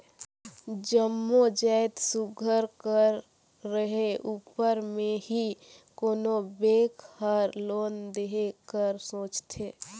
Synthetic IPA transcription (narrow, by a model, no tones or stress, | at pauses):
d͡ʒəmːod͡ʒaɪt̪suɡʱəɾkəɾː | əɦeʔuːpəɾmẽɦi | koːnobeːkʰhəɾloːnd̪eɦekəɾsoːt͡ʃt̪ʰeː